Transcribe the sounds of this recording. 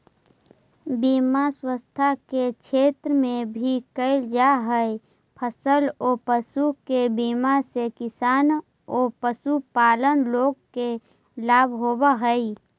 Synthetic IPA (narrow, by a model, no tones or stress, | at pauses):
biːmaswəst̪ʰaket͡ʃʰeːt̪ɾəmẽbʱikəɪld͡ʒaɦəe | pʰəsəloːpəsukebiːmasekɪsaːn | oːpəsupaːlənloːɡ̚ke | laːbʱɦoːbaɦəi